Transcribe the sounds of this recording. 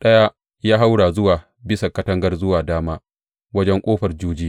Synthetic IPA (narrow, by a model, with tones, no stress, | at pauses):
ɗɐ˦ja˦ | jaː˦ɦa˦wɽaː˨zʊ˦waː˨ | bɪ˦sa˨kɐ˦tɐ˦ŋɡɐ˦rzʊ˦waː˨daː˦maː˦ | wɐ˦d͡ʒɛ˦ŋkʷʼoː˦ɸɐ˨rd͡ʒuː˦d͡ʒi˦